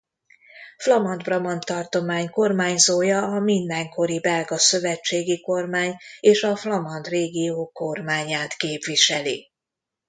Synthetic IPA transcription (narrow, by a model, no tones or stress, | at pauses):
flɒmɒnd̪brɒmɒnt̪ːɒrt̪o̞maːɲko̞rmaːɲzoːjɒːmind̪ɛŋko̞ɾibɛlɡɒsø̞vɛt͡ʃːeːɡiko̞rmaːɲeːʃɒflɒmɒnd̪reːɡijoːko̞rmaːɲaːt̪keːpviʃɛlḭ